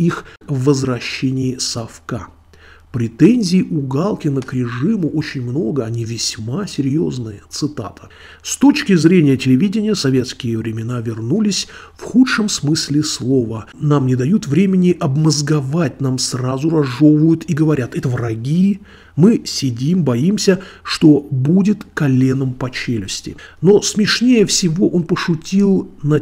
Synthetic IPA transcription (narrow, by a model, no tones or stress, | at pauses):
ixvːəzɾɐɕːenʲɪːsɐfka̰ | pɾʲɪt̪ɛnʲzʲɪːʔʊɡalˠkʲɪnəkɾʲɪʐɨmʊʔo̞t͡ɕɪnʲmno̞ɡəɐnʲivʲɪsʲmasʲɪɾʲjo̞znɨjət̪sɨt̪a̰t̪ʰə̥ | st̪o̞t͡ɕkʲɪzɾʲenʲɪjətʲɪlʲɪvʲidʲɪnʲɪjəsɐvʲe̞t̪skʲɪjɪvɾʲɪmʲɪnavʲɪrnulʲɪsʲfxutʂəmsmɨsʲlʲɪslˠo̞vənamnʲɪd̪ɐjut̪vɾʲemʲɪnʲɪʔɐbməzɡɐvat̚ʲnamsrazʊɾɐʐo̞vəjʊt̪iɡəvɐɾʲat̪ɛt̪əvrɐɡʲi | mɨsʲɪdʲimbɐimsʲəʂt̪o̞budʲɪt̪kɐlʲe̞nəmpɐt͡ɕelʲɪsʲtʲɪ̰no̞smʲɪʂnʲejəfsʲɪvo̞ʔonpəʂʊtʲilˠnɐ